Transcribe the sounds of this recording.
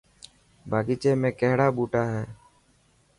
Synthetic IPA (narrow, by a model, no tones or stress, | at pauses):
bʱaːɡit͡ʃeːmẽːkɛɦɽaːbuːʈaːɦɛː